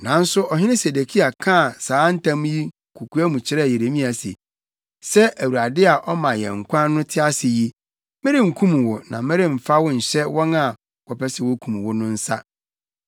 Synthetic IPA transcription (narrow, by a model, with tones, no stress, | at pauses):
nã˨n̩˦sʊ˦ʔɔ˨ɦɪ˦nɪ̃˦se˨de˨kʰi˦a˨kʰã˦˨saː˨˦n̩˦tʰã˦mũ˦ji˦˨kʰu˨kʰu˦æ˦mũ˨t͡ɕʰɪ˦ɾɛ˦˨je˨ɾe˨mĩ˦a˨sḛ˨ | sɛ˦ʔæ˨wu˨a˨dɪ˦a˨ʔɔ˦mã˨jɛ̰̃˨ŋ̩˨kʷʰã˦nʊ̃˦tʰɪ˦a˦sɪ˨ji˦ | mɛ̃˦ɾɪ˦ŋ̩˨kʰũ˦mũ˨wʊ˨nã˨mɪ̃˦ɾɪ˦m̩˨fa˦wʊ˦n̩˨ɕɛ˦wɔ̃˦na˨ | kʰɔ˨pɛ˦sɛ˨wo˦kʰũ˨mũ˨wʊ˦nʊ̃˦n̩˦sa̰˦